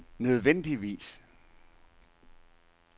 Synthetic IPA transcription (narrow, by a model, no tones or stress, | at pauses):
nøð̞ˠʋen̰d̥iʋḭːs